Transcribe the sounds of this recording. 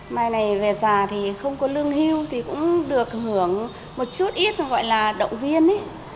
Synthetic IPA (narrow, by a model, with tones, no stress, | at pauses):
maː˨˩jna˨˩jve˨˩zaː˨˩t̪ʰi˨˩xə˧wŋ͡mkɔ˨˦lɨ˧əŋɦi˧wt̪ʰi˨˩kʊ̰˧˥ŋ͡mɗɨ˨˩ək̚hɨ˨˩˦əŋ | mo˨˩t̚t͡ɕu˦˥t̚ʔi˦˥t̚ɣɔ̰˧˨jlaː˨˩ɗə̰˧˨wŋ͡mvi˧ənʔi˨˦